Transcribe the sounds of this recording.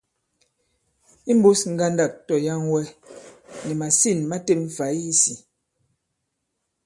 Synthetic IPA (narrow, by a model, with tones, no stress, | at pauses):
i˦m̩˦bu˦sŋ̩˦ɡa˦nda˦˨k̚tɔ˨ja˦ŋwɛ˦ | nɛ˨ma˨si˦˨nma˦te˦pɱ̩˨fa˨˦ji˦si˨